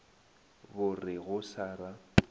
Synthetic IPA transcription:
bʊrɪɣʊsaːra

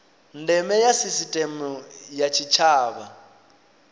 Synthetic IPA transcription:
ndɛmɛjasisitʼɛmujat͡ʃʰit͡ʃʰaːβa

